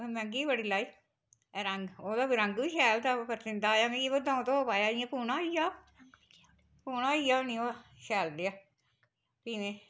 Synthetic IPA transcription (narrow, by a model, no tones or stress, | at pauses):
mɛ̃ŋɡiːbəɽiːlaːi | ɾəŋɡoːd̪aːɾə̃ŋɡʋiːʃɛːlt̪aːpəɾsɪ̃nd̪aːojaːmɛ̃ːkikoːd̪ãːũt̪õːoːpaːjaːɪjãːpuːnaːoijaː | puːnãːoijaːonĩoʃɛːld̪eaː | piːʋẽː